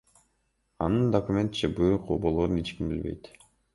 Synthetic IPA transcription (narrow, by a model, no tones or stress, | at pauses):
ɑnɯnd̪okumʲe̞nt̪t͡ʃʰɯbɯqo̰bolˠoɾunit͡ʃkimbḭlbḛjt̪